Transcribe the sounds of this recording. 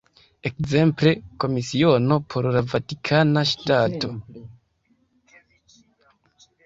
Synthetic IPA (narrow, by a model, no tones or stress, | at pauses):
e̞kze̞mple̞ko̞misio̞no̞pʰo̞ɾlavatikʰanaʃtato̞